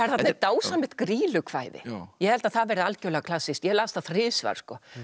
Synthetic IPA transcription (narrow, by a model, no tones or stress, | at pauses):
ɛɾθatnɛt̪aːwsamɪht̪kɾiːlʏkʰv̥aːjðɪ̰jɛhɛlt̪aðθaðvɛːɾɪalcœːlɛɣakʰl̥asːɪst̪jɛlaːst̪θaðθrɪːsva̰ɾ̥skɔ